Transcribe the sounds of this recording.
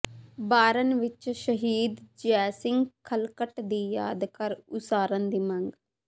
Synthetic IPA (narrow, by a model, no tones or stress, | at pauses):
baːɾənʋɪt͡ʃʃəɦiːd̪d͡ʒɛːsɪ̃ŋɡkʰəlkəʈd̪iːja̰ːd̪kəɾʊsaːɾənd̪iːmɐŋɡ